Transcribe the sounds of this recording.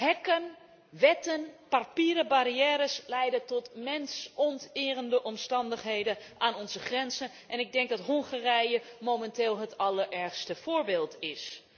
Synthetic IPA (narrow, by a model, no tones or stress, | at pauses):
hɛkən | ʋɛtənparpiːɾəbaɾiɛːɾəslɛjdətɔtmɛnsɔntɪːrəndəʔɔmstɑndəχɦejdəʔaːnɔnzəχrɛnzən | ʔɛnɪɡ̚dɛŋk̚dɑtɦɔŋχaːrɛjəmomɛntɪːlˠɦətʰɑlˠəɹʔɛɹxstəfoːɹbeːlˠtɪs